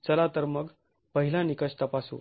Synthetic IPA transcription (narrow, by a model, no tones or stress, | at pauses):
t͡səlat̪əɾməɡ | pəɦilãnikəɕt̪əpaso̰